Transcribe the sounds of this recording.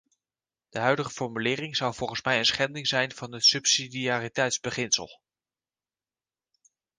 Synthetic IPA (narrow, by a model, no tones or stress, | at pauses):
d̥əɦœɥdəχəfɔɹmylɪːrɪŋzʌwvɔlˠχənsmɛjənsχɛndɪŋzɛjnv̥ɑnətsɵpsidiaːritɛjtzbəχɪnsə̰lˠ